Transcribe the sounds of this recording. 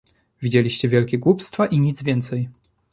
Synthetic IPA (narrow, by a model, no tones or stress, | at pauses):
vʲid͡ʑelʲiɕt͡ɕɛvʲjɛlkʲɛɡwupst̪faʔiɲid̪zvʲjɛnt̪sɛj